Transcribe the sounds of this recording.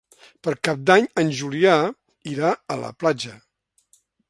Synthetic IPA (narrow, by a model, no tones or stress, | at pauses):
pəɾkap̚d̪aɲənʒulia | iɾaələ̰plad͡ʒə